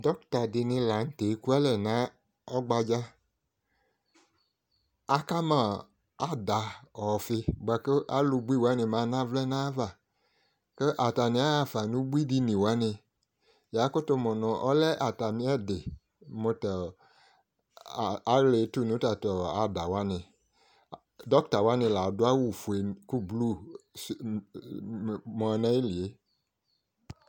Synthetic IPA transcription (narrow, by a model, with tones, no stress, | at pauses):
dɔ˦k̚ta˨dɪ˧nɪ̃˧la˨n̩˦te˨˦ku˦a˦lɛ˨nã˨˦ | ɔ˦ɡ͡ba˧d͡ʒa˦ | a˦ka˦mã˦˨ | a˦da˨ɔ˨fɪ˧ɡ͡ba˧ke˦ʔa˦lu˧ɡ͡bu˦i˦˨wa˨˦ni˧mãː˨˧˦nã˦vlɛ˦nã˦va˨ | ke˦ʔa˨ta˨nĩ˨˦a˦a˧˨fa˨nũ˨˦ɡ͡bu˦i˦di˧nĩ˨wa˨˦nɪ˧ | ja˨˦kʊ˦to˧mɔ˨nɔ̃˨ʔɔ˦lɛ˦ʔa˨ta˨mĩ˧˦ɛ˦˨de˨ | mo˧tɔ˨ | a˨˦le˨˦tu˦˨nũ˨˦ta˧tɔ˨a˨da˨wa˦nɪ̃˧ | dɔ˦kta˨wa˦nɪ̃˧˨la˨˦dʊ˦a˦wu˦˨fu˨e˨ku˦blu˦˨ | mɔ̃˧nɛ˦i˦li˨e˨˦